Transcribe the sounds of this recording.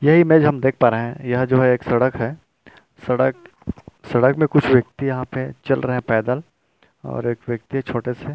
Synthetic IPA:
jɐɦimeːd͡ʒɦɐmd̪eːk̚ʰpaːɾeɦɛ̃jɐɦd͡ʒoːɦɛeːksɐɽəkɦɛː | sɐɽək | sɐɽəkmẽkʊt͡ʃʰʋjɐk̚t̪ijɐɦãpet͡ʃɐlɾɐɦɛ̃pɛːd̪əl | ɔ̰ːɾeːkʋjɐk̚t̪iɦɛt͡ʃʰoːʈese

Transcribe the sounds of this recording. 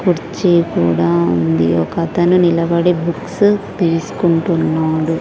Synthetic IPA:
kuɾt͡ʃeːkuːɽaːṵnd̪ḭɔkɐt̪ɐnunilɐʋɐɽebuksut̪ilsu̥kuɳʈunːaːɽu

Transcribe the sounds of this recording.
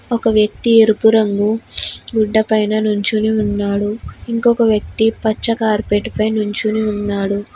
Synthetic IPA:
ɔkɐʋjɐk̚t̪ieɾupuɾɐŋɡuɡuɖːɐpɐjnɐnuɲt͡ʃuniunːaːɽuiŋkɔkɐʋjɐk̚t̪ipɐt͡ʃːɐkaːɾpeːʈipɐjnuɲt͡ʃuniunːaːɽu

